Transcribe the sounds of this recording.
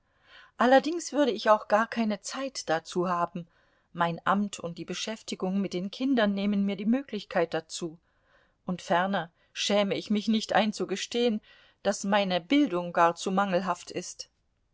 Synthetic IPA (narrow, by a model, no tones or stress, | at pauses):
ʔalɐdɪŋsv̥ʏɐɾəɪçaʊxɡ̥aːɐkʰaɪnət͡saɪtd̥at͡suːɦaːbm̩ | maɪnʔa̰mtʰʊnt̚d̥iːbəʃɛftɪɡʊŋmɪt̚d̥eːnkʰɪndɐnːeːmənmiːɐdiːmøːklɪçkʰaɪt̚d̥at͡suː | ʔʊntfɛʁnɐ | ʃɛːməɪçmɪçnɪçtʔa̰ɪnt͡suɡəʃteːən | d̥asmaɪnəbɪldʊŋɡaːɐt͡sumaŋl̩ɦaftʔɪst